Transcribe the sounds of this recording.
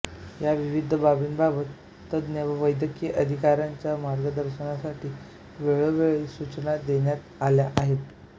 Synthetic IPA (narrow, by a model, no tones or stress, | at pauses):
jaʋiʋid̪ʱəbabiːnbʱaʋət̪ː | əd̪neʋəʋəjd̪jəkjəʔəd̪ʱikaɾjaɲt͡ɕjamaɾɡəd̪əɾɕənasaʈʰiː | ʋeɭəʋeɭisut͡ɕnad̪eɳjat̪aljaʔaɦet̪